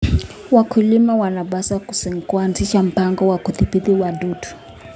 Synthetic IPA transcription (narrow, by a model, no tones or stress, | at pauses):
wakʰulimawanaɓasaku̥siŋkuanziʃam̩paŋɡɔwakuθipiðiwadutʰu̥